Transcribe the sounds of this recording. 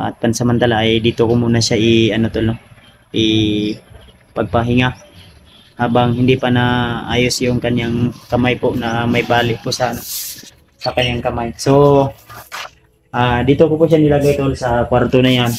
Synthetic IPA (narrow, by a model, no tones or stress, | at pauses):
ʔɐ̰t̪̚pansɐmant̪alaʔːjd̪iːt̪okomuːnaʃaʔɪɐnot̪olno | ʔɪ | pɐɡ̚pɐɦɪŋa | haːbaŋhɪnd̪ɪpanaʔa̰ːjosjʊŋkɐɲjaŋkɐmajpoʔnamɐjbaːlɪʔ̚pʊʔsɐɐno | sɐkɐɲjaŋkɐmajso | ʔaːd̪iːt̪okopʊʔʃanɪlaɡajt̪olsɐkwaɾt̪onajan